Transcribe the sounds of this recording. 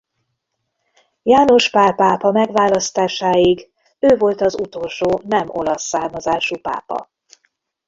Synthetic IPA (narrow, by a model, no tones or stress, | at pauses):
jaːno̞ʃpaːpaːpɒmɛɡʋaːlɒst̪aːʃaːiɡ | øːvo̞lt̪ɒzut̪o̞lʃoːnɛmo̞̰lɒsːaːrmɒzaːʃupa̰ːpɒ̰